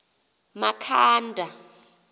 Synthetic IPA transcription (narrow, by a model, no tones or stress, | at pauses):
makʰaːndʱa